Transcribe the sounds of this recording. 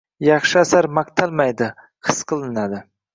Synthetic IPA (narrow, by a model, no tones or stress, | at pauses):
jɑχʃɪasaɾmakt̪ʰalˠmajd̪ɪ | qʰɨsqʰɨlˠɪnad̪ɪ